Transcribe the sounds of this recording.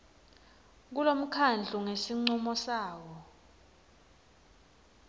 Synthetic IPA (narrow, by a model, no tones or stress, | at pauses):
k̬ulom̩kʰand͡ɮʱuŋesiŋ͡ǀumɔsaːwɔ